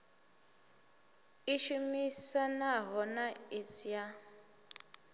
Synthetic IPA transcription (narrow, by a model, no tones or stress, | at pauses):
iʃumisanaɦɔnait͡sija